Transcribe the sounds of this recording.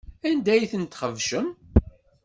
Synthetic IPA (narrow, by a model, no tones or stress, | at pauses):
ænd̪æjθənt̪χəvʃəm